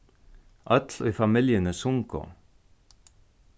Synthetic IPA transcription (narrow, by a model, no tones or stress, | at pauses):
ʔɑt̪ʰlo̰iːfɑmɪljənəsʊŋko̰